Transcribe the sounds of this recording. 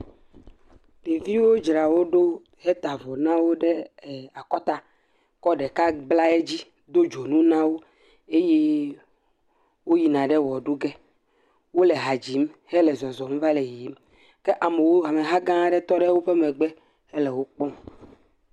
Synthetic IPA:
ɖe˨vi˦wo˦d͡ʒɾa˨wo˦ɖo˦ | hɛ˦t̪a˨vɔ˨nã˦wo˦ɖɛ˦˨a˨kɔ˦t̪a˦ | kɔ˦ɖɛ˨ka˦bla˦e˦d͡ʑi˦ | d̪o˦d͡ʒo˨nũ˦nã˦wo˦ | e˦je˦ | wo˦ji˨nã˨ɖɛ˦wɔ˨ɖu˦ɡɛ˦ | wo˦le˨ɦa˨d͡ʑi˨˦mhɛ˦lɛ˨zɔ˨zɔ˨m˦va˦le˨ji˨˦m | kɛ˦ʔa˨me˨wo˦ɦa˨me˨ɦa˦ɡã˦ɖɛ˦t̪ɔ˦ɖɛ˦wo˦ɸɛ˦mɛ̃˨ɡ͡bɛ˦ | ɛ˦lɛ˨wo˦k͡pɔ̃˦

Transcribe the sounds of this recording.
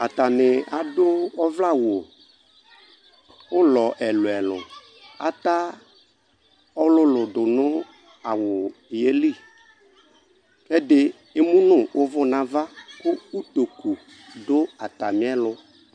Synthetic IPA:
a˨t̪a˨nɪ˨a˨dʊ˦ɔ˦vla˦˨wo˨ | wʊ˦lɔ˨ʔɛ˨lʊ˨ɛ˨lʊ̰̃˨ | a̰˨t̪a˦ | ɔ˦lʊ˦lʊ˨dʊ˨nʊ̃˦ | a˨wʊ˨je˦li˦˨ | kɛ˦dɪ˦ | e˦mũ˦nʊ̃˦wʔʊ˦vʊ˦nã˨˦va˦kʊ˦u˦t̪o˨ku˨ | dʊ˦a˨t̪a˨mĩ˦ɛ˦lʊ˦

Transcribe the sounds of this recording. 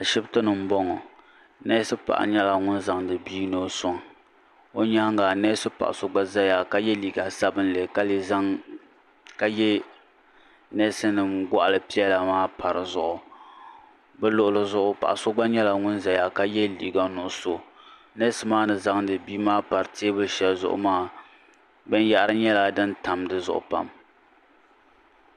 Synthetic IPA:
a˨ʃɪ˦btɨ˦nɨ˨m̩˦bɔ˦ŋɔ˨ | nɛ˦sɨ˦pa̰˨ʔa̰˨ɲɛ˦la˨ŋʊ˦nza˨ŋdɨ˨biː˦no˦sʊ˦ŋ˨ | o˦ɲa˦ŋɡa˨nɛː˦sɨ˦pa̰˨ʔa̰˨so˦ɡ͡ba˦za˦ja˨ka˦jɛ˦liː˨ɡa˨sa˦bɨ˦n˦le˨ka˦li˨za˦ŋ | ka˦jɛ˦ | nɛ˦sɨ˦nɨ˨mɡa̰˦ʔa˨lɨ˨pi˦ɛ˦la˨maː˦pa˨ɾɨ˨zʊ˨ʔʊ˨ | bɛ˦lʊ˦ʔʊ˨lɨ˨zʊ˦ʔʊ˦pa̰˨ʔa˨so˦ɡ͡ba˦ɲɛ˦la˨ŋʊ˦nza˨ja˨ka˦jɛ˦li˨ɡa˨nʊ˨ʔʊ˦so˨ | nɛ˦sɨ˦maː˦nɨ˨za˦ŋdɨ˨biː˦maː˦pa˨ɾɨ˨teː˦bɨ˦ʃɛ˨lzʊ̰˦ʔʊ̰˦maː˦˨ | bɛ˦n˦ja˦ʔɾɨ˦ɲɛ˦la˨dɨ˦nta˨mdɨ˨zʊ̰˦ʔʊ̰˨pa̰˨m

